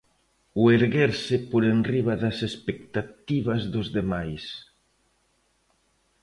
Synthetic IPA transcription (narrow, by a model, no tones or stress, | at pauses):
weɾɣeɾsɪpoɾenriβaðɐsespek̚t̪at̪iβɐzðozðemajs